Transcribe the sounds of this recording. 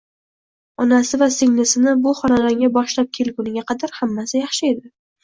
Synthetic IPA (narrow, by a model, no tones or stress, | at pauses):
ɒnasɪvasɪŋnɪsɪnɪbʊχɒnad̪aŋɡʲabɒʃlap̚kʲʰe̞lɡʲʊnɪɡʲaqʰɑd̪aɾhamːasɪjɑχʃɪe̞d̪ɪ